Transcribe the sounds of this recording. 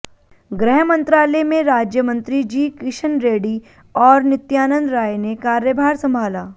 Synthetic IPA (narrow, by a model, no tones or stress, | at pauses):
ɡɾɛɦmə̃nt̪ɾaːlɛmẽɾaːd͡ʒjəmə̃nt̪ɾid͡ʒiːkɾɪʃənɾeːɽi | ɔːɾnɪt̪jaːnə̃nd̪ɾaːjnekaːɾjəbʱaːɾsɐ̃mbʱaːlaː